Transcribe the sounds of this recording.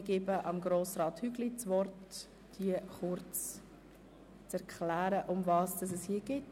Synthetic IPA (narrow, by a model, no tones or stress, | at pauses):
ɡ̥ɪbəʔɑmɡɾoːsɾɑːthyɡlit͡svɔrt | d̥iəχʊɾt͡s | t͡sɛɾkχlæːɾəʔʊmvɑːsd̥ɑs̬ɛshiːɡ̥ɪt